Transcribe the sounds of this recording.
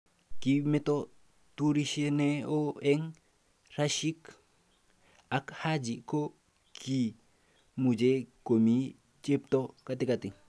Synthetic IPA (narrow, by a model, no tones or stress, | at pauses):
kimeto | tuɾiʃeneoeŋ | raʃik | akhad͡ʒiko | kʰi | mud͡ʒekomi | t͡ʃep̚tokatikati